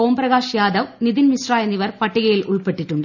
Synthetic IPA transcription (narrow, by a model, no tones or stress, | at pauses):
oːmprɐɣaːʂijaːd̪ɐʋnid̪inmisraːjɐnːiʋɐrpɐʈːiɣɐjilʔṵɭpe̞ʈːiʈːuɳɖɨ